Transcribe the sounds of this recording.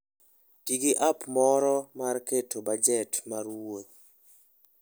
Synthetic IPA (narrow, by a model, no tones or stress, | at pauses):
tiɡiʔapmɔɾɔmarketobad͡ʒɛtmarwot̪̚